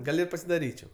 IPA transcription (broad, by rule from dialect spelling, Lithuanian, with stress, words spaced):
ˈɡɐlʲ ɪ pɐsʲɪdɐˈrʲiːt͡ʃʲɛʊ